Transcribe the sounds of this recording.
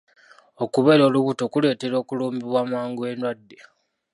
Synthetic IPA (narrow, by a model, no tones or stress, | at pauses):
o̞kuβe̞ːɾo̞ːluβuto̞kule̞ːte̞ɾo̞ːkuluːmbiβwamaːŋɡue̞nwadːe